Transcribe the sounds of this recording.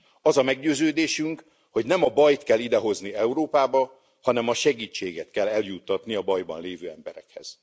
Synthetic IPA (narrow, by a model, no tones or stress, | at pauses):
ɒzɒmɛɡɟøːzøːd̪eːʃyŋk | ho̞ɟnɛmɒbɒjt̪kɛlːid̪ɛɦo̞zniɛuɾoːpaːbɒ | hɒnɛmɒʃɛɡiːt͡ʃːeːɡɛt̪kɛlːɛljut̪ːɒt̪niɒbɒjbɒ̰nleːvøːɛmbɛɾɛkhɛ̰z̥